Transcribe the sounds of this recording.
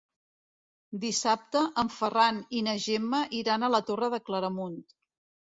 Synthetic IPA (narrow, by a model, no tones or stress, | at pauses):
d̪isap̚t̪əʔəɱfəraninəʒeməʔiɾanələt̪orəðəkləɾəmunt̪